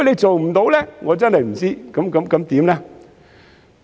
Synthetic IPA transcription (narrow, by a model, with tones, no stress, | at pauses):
jle˨˧jt͡so˨˩wm̩˨˩t̪o˨˥wlɛː˦˥ŋɔː˨˧˦t͡sa˦˥nlə˨˩jm̩˨˩t͡si˦˥kɐ˨˥mkə˨˥mkɐ˨˥˦mt̪iː˨˥˦mnɛː˦˥